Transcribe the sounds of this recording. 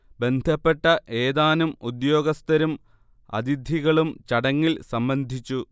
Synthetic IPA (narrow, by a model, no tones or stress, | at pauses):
be̞nd̪ʱɐpːe̞ʈːɐʔe̞ːðaːnumud̪jo̞ːɡɐst̪ɐɾum | ɐ̰d̪id̪ʱiɣɐɭumt͡ɕɐɽɐŋːilsɐmbɐnd̪ʱit͡ɕːu